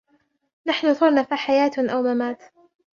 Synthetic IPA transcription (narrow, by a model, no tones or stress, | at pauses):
naħnʊt̪ˤʊɾˤnafaħajaːt̪ʔawmamaːt̪